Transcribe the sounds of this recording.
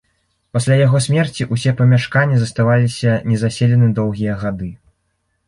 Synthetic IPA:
pasʲlʲajaɣɔsʲmʲɛrt͡sʲiʔusʲɛpɐmʲaʂkanʲːizɐst̪avalʲisʲɐnʲɛzasʲelʲɛnɨd̪ɔwɣʲijɐɣad̪ɨ

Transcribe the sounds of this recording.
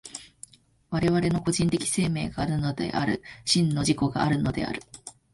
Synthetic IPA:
βaɾe̞βaɾe̞no̞ko̞ʑĩnt̪ekʲi̥se̞ːme̞ːɡaːɾɯ̟no̞d̪e̞̰ʔa̰ɾɯ̟̰ɕĩnːo̞ʑiko̞ɡa̰aɾɯ̟no̞d̪e̞̰a̰ɾɯ̟

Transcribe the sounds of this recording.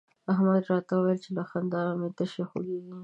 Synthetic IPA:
aɦmad̪ɾɑt̪awwajəlt͡ʃelaxand̪ɑɾamet̪əʃexo̰ɡeɡi

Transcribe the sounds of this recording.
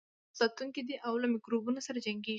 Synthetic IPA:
sɑt̪uŋkid̪iʔawlamɪkɾobunasaɾad͡ʒaŋɡe

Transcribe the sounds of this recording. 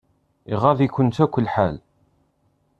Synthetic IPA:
iʁavikʷːʊnt̪ækʷːəlːħal

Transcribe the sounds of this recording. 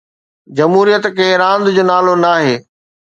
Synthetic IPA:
d͡ʑɐmɦuːɾijət̪kɐ̃ɦɪ̃ɾãːnd̪d͡ʑoːnaːlonaːɦeː

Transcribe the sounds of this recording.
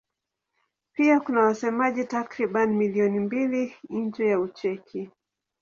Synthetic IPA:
piakunawasɛmaʄitakɾiɓanimiliɔnimbilin̩d͡ʒɛjaut͡ʃɛkʰi

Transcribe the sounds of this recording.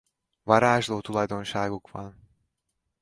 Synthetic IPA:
vɒɾaːʒloːt̪ulɒjd̪o̞nʃaːɡukʋɒ̰n

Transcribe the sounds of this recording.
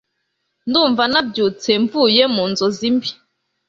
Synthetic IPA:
nduːɱvanabɟut͡seɱvujemuːnzozimbi

